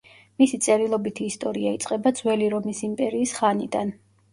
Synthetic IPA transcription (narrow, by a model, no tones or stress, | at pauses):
misit̪sʼɛɾilˠɔbit̪ʰiːst̪ʼɔɾiait̪sʼqʼɛbad̪zwɛliɾɔmisimpʼɛɾiːsχanid̪an